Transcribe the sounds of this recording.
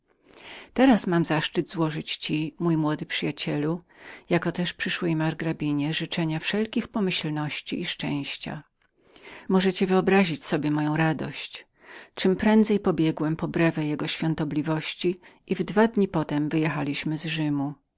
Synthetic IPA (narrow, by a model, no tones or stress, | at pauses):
t̪ɛɾasmamzaʂt͡ʂɘd̪zwɔʐɘt͡ɕt͡ɕimujmwɔd̪ɘpʂɘjat͡ɕɛlujakɔt̪ɛʂpʂɘʂwɛjmaɾɡɾabʲiɲɛʐɘt͡ʂɛɲafʂɛlkʲixpɔmɘɕlnɔɕt͡ɕḭːʂt͡ʂɛ̰̃w̃ɕt͡ɕa̰ | mɔʐɛt͡ɕɛvɘɔbɾaʑit͡ɕsɔbʲjɛmɔjɔ̃w̃ɾad̪ɔ̰ɕt͡ɕ | t͡ʂɘmpɾɛnd̪zɛjpɔbʲjɛɡwɛmpɔbɾɛvɛjɛɡɔɕfʲjɔnt̪ɔblʲivɔɕt͡ɕiʔivd̪vad̪ɲipɔt̪ɛmvɘjɛxalʲiɕmɘzʐɘmu